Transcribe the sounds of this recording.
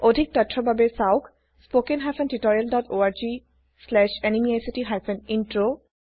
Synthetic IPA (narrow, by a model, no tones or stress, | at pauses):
odʱik̚ʈatʰɹɔbʱabesawk | spokenɦajfʰenʈitɔɹialɖɔtʰoaɹd͡ʒi | slɛʃenimiajsiʈiɦajfʰɛninʈɹo